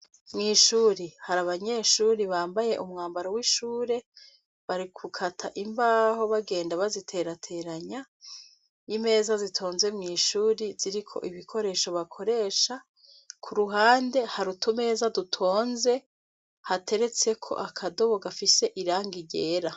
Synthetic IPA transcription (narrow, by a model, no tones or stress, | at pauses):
mŋiːʃuːɾihaɾaβaɲe̞ʃuːɾiβaːmbaje̞ʔumŋaːmbaɾowiːʃuːɾe̞ | βaɾikʰukʰatʰaʔimbaho̞βaɡe̞ːndaβazitʰe̞ɾatʰe̞ɾaɲa | jime̞ːzazitʰo̞ːnze̞mŋiːʃuːɾiziɾikʰo̞̰ʔiβikʰo̞ɾe̞ːʃo̞βakʰo̞ɾe̞ːʃa | kʰuɾuɦaːnde̞haɾutume̞ːzadutʰo̞ːnze̞ | hatʰe̞ɾe̞t͡se̞kʰo̞̰ʔakʰadoβoɡafise̞ʔiɾaːŋɡiɟeːɾa